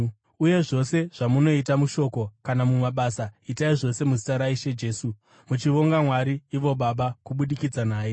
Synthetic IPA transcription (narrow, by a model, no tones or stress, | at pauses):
uje̞ʐo̞se̞ʐ̥amuno̞it̬amuʃo̞ko̞kanamumaɓaːsaitaiʐo̞se̞muzitaɾaiʃed͡ʒe̞ːsu | mut͡ʃiʋo̞ŋɡamwaɾiːʋo̞ɓaɓakuɓuɗikid͡zanaːje̞